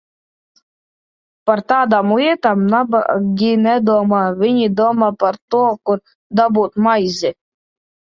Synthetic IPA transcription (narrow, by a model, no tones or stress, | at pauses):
paɾt̪aːd̪amliɛt̪amnaba̰ɡʲinɛd̪uɔmaːviɲid̪uɔmaːpaɾt̪uɔkuɾ | d̪abuːt̪majzʲi